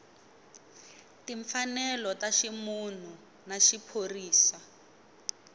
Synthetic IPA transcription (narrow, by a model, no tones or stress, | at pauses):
tiɱfanɛlɔtaʃimun̤u | naʃipʰoriːsa